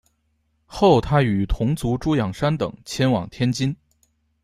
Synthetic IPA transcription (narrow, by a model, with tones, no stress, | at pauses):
xo˥˩ʊt̪ʰa˥y˨˩t̪ʰʊ˧˥ŋt͡su˧˥ʈ͡ʂu˥jɑ˨˩ŋʂa˥nt̪ɤ̰˨˩ŋt͡ɕʰjɛ˥nwɑ̰˨˩ŋt̪ʰjɛ˥nt͡ɕi˥n